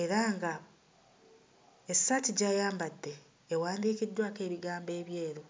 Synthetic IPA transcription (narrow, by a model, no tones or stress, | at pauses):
e̞ɾaŋɡa | esatiɟajaːmbatːe̞ː | waːndiːkidːwaːke̞ːβiɡaːmbe̞ːβje̞ːɾo